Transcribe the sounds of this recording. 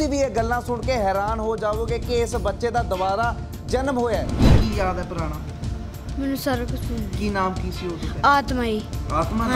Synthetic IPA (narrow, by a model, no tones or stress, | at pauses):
iːʋiːeːɡəlːãːsʊɳkeːɦɛːɾaːnɦoːd͡ʒaːʋoːkekeːsbətːʃeːd̪aːd̪əʋaːɾaː | d͡ʒənəmɦoːjaɛːkiːjaːd̪ɛːpəɾaːɽ̃aː | mɛːnũːsaːɾakʊt͡ʃʰːkiːnaːmkiːsiːɦoːsəkɛaːt̪maːiːaːt̪maː